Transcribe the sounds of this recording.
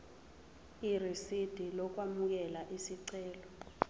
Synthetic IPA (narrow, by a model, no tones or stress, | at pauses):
irisid̥ʱilɔk̬wamuk̬ɛlaʔisiǀɛːlɔ